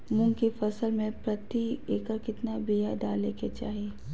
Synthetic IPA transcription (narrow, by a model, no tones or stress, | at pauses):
mʊ̃ŋkifɐsəlmẽpɾɐt̪ieːkəɾkɪt̪nabiɦaɖaːleket͡ʃa̰ːɦie